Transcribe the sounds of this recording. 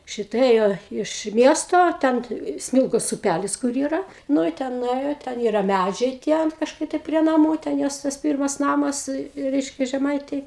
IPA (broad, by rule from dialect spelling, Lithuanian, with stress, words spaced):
ˈʃʲɪtɐ ˈeːjoː ɪʃ ˈmʲiɛstoː ˈtʲɛn ˈsʲmʲɪlˠɡoːs ʊˈpʲælʲɪs kʊr ˈiːrɐ ˈnʊ ɪ ˈtʲɛn nʊˈeːjoː ˈtʲɛn ˈiːrɐ ˈmʲæd͡ʒʲɛɪ tʲiɛ ɐn kɐʃˈkɐɪ tɐɪ pʲrʲiɛ nɐˈmuː tʲɛn ˈjoːs tɐs ˈpʲiːrmɐs ˈnɑːmɐs ˈrʲɛɪʃʲkʲɛ ʒʲɛˈmɐɪtʲeːj